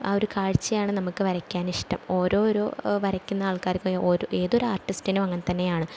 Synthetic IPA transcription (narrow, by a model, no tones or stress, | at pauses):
a̰ːo̞ɾukaːɻt͡ɕːɐjaːɳɨnɐmukːɨʋɐɾɐkʲːaːniʂʈɐmo̞ːɾo̞ːɾo̞ːʋɐɾɐkʲːunːɐaːɭkaːɾkɐoːɾoʔe̞ːðo̞ɾuaːrʈːistinumɐŋːɐnt̪ɐnːe̞jaːɳɨ